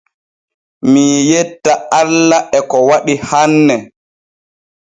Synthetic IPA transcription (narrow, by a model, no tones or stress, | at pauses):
mijɛtːaalːaɛkɔwaɗihanːɛ